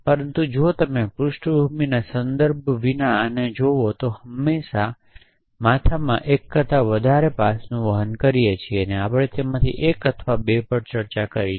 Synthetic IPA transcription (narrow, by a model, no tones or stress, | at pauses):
pəɾənt̪ũd͡ʒot̪əmepɾʊʃʈəbʱuminasənd̪əɾbʱʋinaəned͡ʒoʋot̪ohəmːeʃa | mat̪ʰamã̰ʔekːət̪aʋəd̪ʱaɾepasnũʋəɦənkəɾijet͡ʃʰieneapɭ̃et̪ʰemãt̪ʰḭʔekət̪ʰʋabepəɽt͡ʃəɾt͡ʃakəɾi